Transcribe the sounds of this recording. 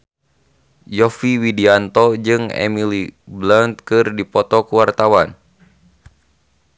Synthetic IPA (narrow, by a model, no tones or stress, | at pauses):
jɔfiwidiant̪ɔd͡ʒɨŋɛ̰milibland̪̚kɨrdipɔt̪ɔkuwart̪awan